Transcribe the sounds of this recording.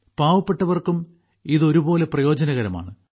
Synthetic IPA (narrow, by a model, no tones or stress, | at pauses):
paːʋɐpːe̞ʈːɐʋɐrkum | iðo̞ɾubo̞ːle̞prɐjo̞ːd͡ʑɐnɐɣɐɾɐma̰ːɳɨ